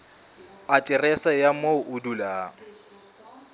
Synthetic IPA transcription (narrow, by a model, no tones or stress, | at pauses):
atʼɪrɛsajamoʔʊdula